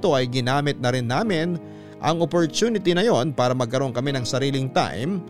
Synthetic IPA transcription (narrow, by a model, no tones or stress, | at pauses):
t̪o̞ʔɐjɡɪnaːmɪt̪̚nɐɾɪnːaːmɪn | ʔɐŋopoɾt̪uːnɪt̪inɐjo̞npaːɾɐmɐɡ̚kɐɾo̞ŋkɐmɛnɐŋsɐɾiːlɪŋt̪a̰jm